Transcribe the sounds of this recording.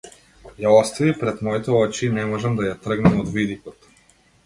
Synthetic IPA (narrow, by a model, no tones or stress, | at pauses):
jaɔst̪avipɾɛt̪mɔit̪ɛɔt͡ʃiːnɛmɔʒamd̪ajat̪r̩ɡnamɔd̪vid̪ikɔt̪